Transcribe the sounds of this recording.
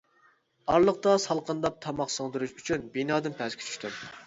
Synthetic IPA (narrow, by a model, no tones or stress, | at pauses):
ɑɾlˠəq̚t̪ɑsɑlˠqənd̪ɑp̚t̪ʰɑmɑχsoŋd̪ɨɾuʃyt͡ʃʰynbinɑːd̪ɨnpʰɛzkʲʰi̥t͡ʃʰy̥ʃʲt̪ʰym